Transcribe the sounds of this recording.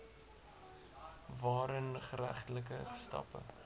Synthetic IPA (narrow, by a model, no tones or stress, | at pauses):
vɑːɾənχəɾæ̰χtələk̬əəstɑ̰pə̰